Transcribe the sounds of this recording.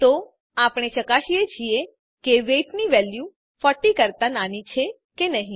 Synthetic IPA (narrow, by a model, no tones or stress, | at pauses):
t̪o | apɳ̃et͡ʃəkaʃiet͡ʃʰie | keʋeʈniʋɛlju | fəʈikəɾt̪ananit͡ʃʰe | kenəɦĩ